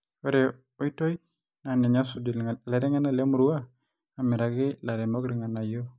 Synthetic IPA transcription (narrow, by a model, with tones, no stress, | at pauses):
o˦ɾɛ | o˨i˦to˦j | na˨nɛ˨ɲa˦sudlɛɾɛ˦ŋa˦na˨le˦muɾuaː˦ | mi˨ɾa˨ɡɪ˦la˨ɾɛ˨mo˦ɡɾi˨ŋa˨na˨jo˦